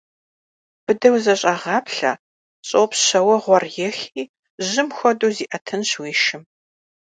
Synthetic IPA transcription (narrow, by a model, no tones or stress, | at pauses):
b̥ɨdɐwzɐɕʼɐʁɑːpɬɐ̰ | ɕʼowpɕɐwɐʁʷɔrjɛxiː | ʑɪmxʷɔduːziːʔɐtʰɨnɕwiːʃɪm